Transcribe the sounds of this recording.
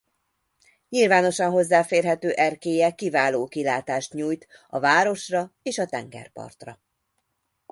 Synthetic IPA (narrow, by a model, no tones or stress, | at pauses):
ɲilvaːno̞ʃɒnɦo̞zːaːfeːrɦɛt̪øːʔɛrkeːjɛkivaːloːkilaːt̪aːʃt̪ɲuːjt̪ | ɒvaːɾo̞ʃrɒeːʃɒt̪ɛŋɡɛ̰rpɒ̰rt̪rɒ̰